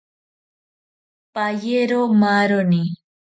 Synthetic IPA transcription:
pajeɾomaɾoni

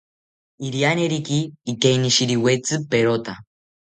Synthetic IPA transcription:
iɾianeɾikiːkeiniʃiɾiwet͡sɨpeɾot̪a

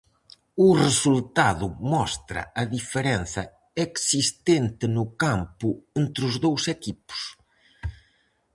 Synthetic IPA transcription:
ʊresult̪aðʊmɔst̪ɾɐ̰ʔɐðifeɾen̟θɐ̰ | eksist̪ent̪ɪnʊkampʊent̪ɾʊzðowsɛkipʊ̥s

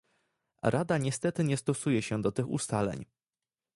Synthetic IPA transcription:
ɾʔad̪aɲɛst̪ɛt̪ɘɲɛst̪ɔsujɛɕɛd̪ɔt̪ɘxṵst̪alɛ̰ɲ

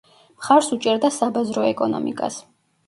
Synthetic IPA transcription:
χaɾsut͡ʃʼɛɾd̪asabazɾɔɛkʼɔnɔ̰mḭkʼa̰s

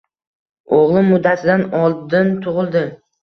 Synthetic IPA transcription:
oʁlˠɪmʊd̪ːat̪ʰɪd̪anɒlˠd̪ɪnt̪ʰʊʁɨlˠd̪ɪ

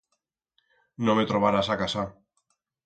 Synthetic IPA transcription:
nõmet̪ɾoβaɾasakasa

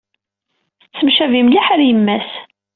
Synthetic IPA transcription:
səmʃævimliħaɾjəmːæs

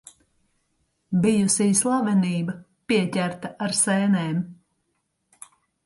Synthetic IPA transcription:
bijusiːslˠavɛniːbɐ | piɛcʲæɾt̪aʔaɾsɛːnɛːm

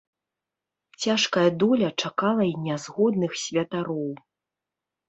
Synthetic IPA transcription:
t͡sʲaʂkɐjɐd̪ɔlʲɐt͡ʂakalˠɐinʲazɣɔd̪nɨxsʲvʲɐt̪aɾɔw

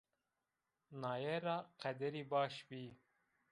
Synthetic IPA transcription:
nɑːjɛɾɑːqɛd̪ɛɾiːbɑːʃbiː

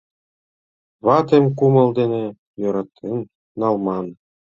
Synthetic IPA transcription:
βɑt̪ʲemʲkumɤ̆lˠd̪enʲe | joɾɑt̪ːenː | ɑlˠmɑn

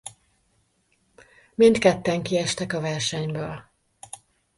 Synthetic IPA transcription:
mint̪kɛt̪ːɛŋkiɛʃt̪ɛkɒvɛrʃɛɲbøːl

